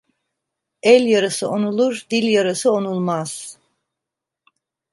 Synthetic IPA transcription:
ɛlʲjaɾɯsɯʔonulˠuɾd̪ilʲjaɾɯsɯonulˠmaz̥

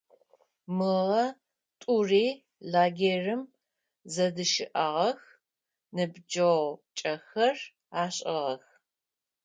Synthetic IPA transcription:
mɨʁɐ | tʼuriː | laːɡerɨm | zɐdɨʃɪʔaʁɐx | nɨbd͡ʒɐwt͡ʃʼɐxɐr | aːɕʼɪʁɐx

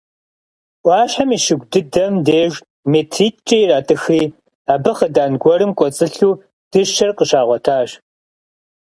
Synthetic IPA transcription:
ʔʷɑːɕħamiːʃɪɡʷdɨdɐmdeːʒʷ | meːtʰriːtt͡ʃʼejraːtʼɨxiː | aːbɨχədaːnɡʷɔɾɨmkʷʼɔt͡sʼɨɬuː | d̥ɨʃʃɐrqəʃaːʁʷɔtʰaːɕ

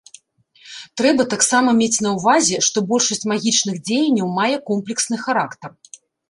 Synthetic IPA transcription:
t̪ɾɛbɐt̪aksamɐmʲet͡sʲn̪ɐwvazʲɛʂt̪ɔbɔlʲʂɐsʲt͡sʲmaɣʲit͡ʂnɨɣd͡zʲejɐnʲːɐwmajɛkɔmplʲɛksnɨxaɾakt̪ɐr

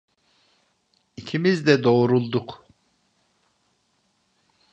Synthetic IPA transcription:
icʰimizd̪ɛd̪o̞ːɾulˠd̪uk

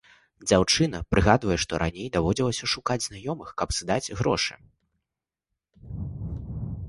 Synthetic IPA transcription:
d͡zʲawt͡ʂɨn̪ɐpɾɨɣad̪vɐjɛʂt̪ɔɾʔa̰nʲejd̪avɔd͡zʲilˠɐsʲɐʂukad͡zʲznajɔmɨxkɐpzɨd̪ad͡zʲɣɾɔ̰ʂɨ̰

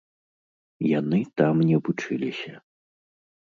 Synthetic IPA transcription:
janɨt̪amnʲɛbut͡ʂɨlʲisʲɐ

